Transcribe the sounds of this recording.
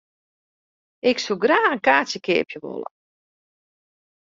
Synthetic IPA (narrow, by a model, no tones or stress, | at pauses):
ɪksuɡraːənkaːsjəkɪːpjəʋo̰lˠə̰